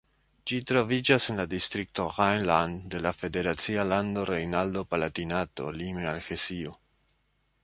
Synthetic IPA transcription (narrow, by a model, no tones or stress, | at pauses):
d͡ʒitɾo̞vid͡ʒase̞nladistɾik̚tohajnlande̞lafe̞de̞ɾat͡sialando̞ɾejnaldo̞palatinato̞̰limealxesio